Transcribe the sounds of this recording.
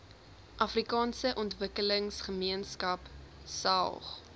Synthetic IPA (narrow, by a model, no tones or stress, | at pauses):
ʔɐfrikɑːnsəʔɔntvəkələŋsχəmiənskɐp | sɐ̰lˠχ